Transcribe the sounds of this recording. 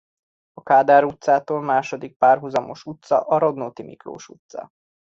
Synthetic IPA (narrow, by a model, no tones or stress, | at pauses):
ɒkaːd̪aːɾut̪saːt̪oːlmaːʃo̞d̪ik̚paːrɦuzɒmo̞ʃut̪sɒ̰ʔɒɾo̞d̪noːt̪imḭkro̰ːʃut̪sɒ̰